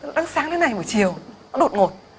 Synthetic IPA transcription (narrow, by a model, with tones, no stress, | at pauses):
ɗa˨˦ŋsaː˨˦ŋt̪e˨˦na˨˩jɓəː˨˧˩jt͡ɕi˨˩əwnɔ˨˦ɗo˨˩t̚ŋo˨˩t̚